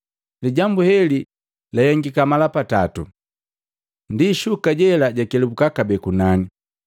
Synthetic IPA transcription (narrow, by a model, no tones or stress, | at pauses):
liɟambuhɛli | lahɛŋɡikamalapatatu | ndiʃukaɟɛlaɟakɛlɛbukakabɛkunani